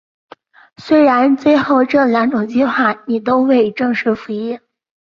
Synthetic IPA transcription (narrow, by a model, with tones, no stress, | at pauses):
swe˥ɪɻa˧˥nt͡swe˥˧ɪxo˥˩ʊʈ͡ʂɤ˥˩la˧˥nʈ͡ʂʊ˨˩ŋt͡ɕi˥xwa˥˩ni˨˩t̪o˥ʊwe˥˧ɪʈ͡ʂɤ˥˧ŋʂɻ̩˥˩fu˧˥i˥˩n